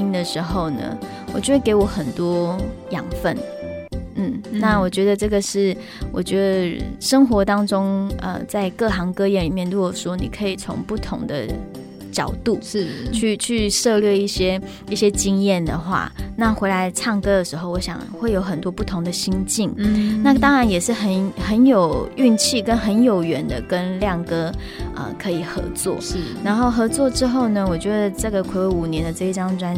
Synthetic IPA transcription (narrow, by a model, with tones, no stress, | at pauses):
i˥ŋd̪ə˨ʂɻ̩˧˥xo˥˧ʊnə̰˩ | wɔ˨˩t͡ɕɥke˧˥ɪwɔ˨˩xə˨˩nt̪wɔ˥jɑ˨˩ŋfə˥˩n | n̩˥˩na˥˩wɔ˨˩t͡ɕɥɛ˧˥d̪ə˧ʈ͡ʂɤ˥˩ɡə˩ʂɻ̩˥˩ | wʔɔ̰˨˩t͡ɕɥɛ˧˥d̪ə˧˨ʂə˥ŋxwɔ˧˥t̪ɑ˥ŋʈ͡ʂʊ˥ŋə̰˧t͡sa˥˧ɪkɤ˥˩xɑ˧˥ŋkɤ˥jɛ˧˥˩nɻi˨˩mjɛ˥˩nt̪u˥wɔ˨˩ʂwɔ˥nḭ˨˩kʰɤ˧˥i˨˩t͡sʰʊ̰˧˥ŋpu˥˩t̪ʰʊ˧˥ŋd̪ə̰˧ | t͡ɕjɑ˨˩ʊt̪u˥˩˥t͡ɕʰy˥˧t͡ɕʰy˥˧ʂɤ˥˧lɥɛ˥˧i˥˩ɕjɛ˥ | i˥˩ɕjɛ˥t͡ɕi˥ŋjɛ˥˩nd̪ə˩xwa̰˥˩na˥˨xwe˧˥ɪla˧˥ɪʈ͡ʂʰɑ˥˩ŋkɤ˥d̪ə˨ʂɻ̩˧˥xo˥˩ʊwɔ˧˦ɕjɑ̰˨˩ŋxwe˥˩ɪjo˧˥ʊxə˨˩nt̪wɔ˥pu˥˩t̪ʰʊ˧˥ŋd̪ə˨ɕi˥nt͡ɕi˥˩ŋna˥˩t̪ɑ˥ŋɻa˧˥njɛ˨˩ʂɻ̩˥˩xə˧˦nxə˧˦njo˨˩ʊy˥˧nt͡ɕʰi˥˩kə˥nxə˧˥njo˨˩ʊɥɛ˧˥nd̪ə̰˧kə˦nljɑ˥˩ŋkɤ˥ | ə̰˧kʰɤ˧˥i˨˩xɤ̰˧˥t͡swɔ̰˥˩na˧˥nxo˥˩ʊxɤ˧˥t͡swɔ˥˩ʈ͡ʂɻ̩˥xo˥˩ʊnə˩wɔ˨˩t͡ɕɥɛ˧˥d̪ə˨ʈ͡ʂɤ˥˩ɡə˨˩kʰe˨˩we˥˩u˨˩njɛ˧˥nd̪ə˨˧ʈ͡ʂɤ˥˧i˥˩ʈ͡ʂɑ˥ŋʈ͡ʂwa˥n